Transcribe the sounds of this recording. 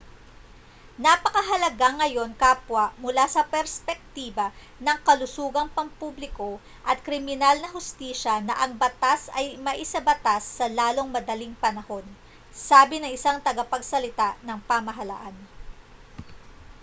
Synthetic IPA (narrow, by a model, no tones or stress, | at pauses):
nɐpɐkɐɦɐlɐɡaŋːɐjo̞nkaːpwɐmʊlasɐpɛɾspɛk̚t̪iːbɐ | nɐŋkɐlʊsuːɡɐŋpɐŋpublɪko̞ | ʔɐt̪̚kɾɪmɪnalnɐɦʊst̪iːʃɐnɐʔɐŋbɐt̪asɐjmɐʔɪsɐbɐt̪asːɐlaːlo̞ŋmɐd̪ɐliŋpɐnɐho̞n | saːbɪnɐŋɪsaŋt̪ɐɡɐpɐɡsɐlɪt̪aʔnɐŋpamɐɦɐla̰ʔan